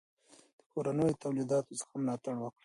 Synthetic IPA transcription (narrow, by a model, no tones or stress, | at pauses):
d̪̥ə̥koɾanəjot̪awlid̪ɑt̪osə̥xamlɑt̪aɽwəkɽi